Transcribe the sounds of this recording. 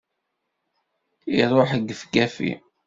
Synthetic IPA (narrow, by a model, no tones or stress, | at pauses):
iɾˤoħəɡːəfɡæfḭ